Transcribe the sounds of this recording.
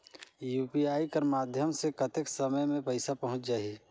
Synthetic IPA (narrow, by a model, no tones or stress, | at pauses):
juːpiaːikəɾmaːd̪ʱjəmsekɐt̪ɪksəməjmẽpəɪsapɐɦʊ̃t͡ʃd͡ʒaːie